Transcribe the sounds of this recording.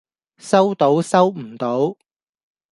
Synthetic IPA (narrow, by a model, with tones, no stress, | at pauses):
sɐ˥wt̪o˨˥wsɐ˥wm̩˨˩t̪o˨˥w